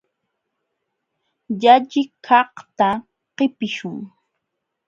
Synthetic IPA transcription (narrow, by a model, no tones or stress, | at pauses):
ʎaʎɪkʰɑht̪a | qɪpɪʃʊŋ